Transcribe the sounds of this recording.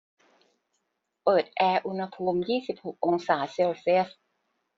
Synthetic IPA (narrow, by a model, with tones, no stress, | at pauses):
pɤː˨˩t̪̚ʔɛː˧ʔu˧nha˧pʰuː˧mjiː˥˩si˨˩p̚ho˨˩k̚ʔo˧ŋsaː˩˦se˧wsi˦˥˩əs